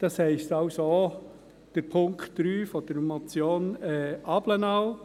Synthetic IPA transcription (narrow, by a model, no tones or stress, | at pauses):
d̥ɑshɛɪstɑʊso | d̥əɾpʰʊŋkχtd̥ɾyːfɔd̥əɾmɔt͡sjoːnɛɑblənɑw